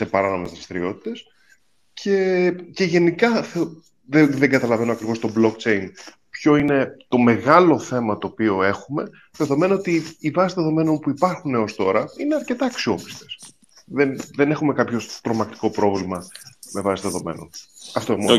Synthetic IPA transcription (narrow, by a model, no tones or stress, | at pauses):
se̞pɐɾɐno̞me̞zðɾɐst̪ɾio̞t̪i̥t̪e̞s | cʰe̞ce̞ʝe̞nikɐθe | ðeðeŋɡɐt̪ɐlɐve̞noɐkɾivo̞st̪o̞blo̞kt͡se̞jn | pço̞ine̞t̪o̞me̞ɣɐlo̞θe̞mɐt̪o̞ːpio̞e̞xume̞ | ðe̞ðo̞me̞nɐot̪iːvɐsizðe̞ðo̞me̞no̞npuipɐɾxuneo̞st̪o̞ɾɐine̞ɐɾce̞t̪ɐːksio̞pi̥st̪e̞̥s | ðenðe̞ne̞xume̞kɐpço̞st̪ɾo̞mɐk̚t̪i̥ko̞pɾo̞vlimɐme̞vɐsiðe̞ðo̞me̞̰no̞̰nɐft̪oemo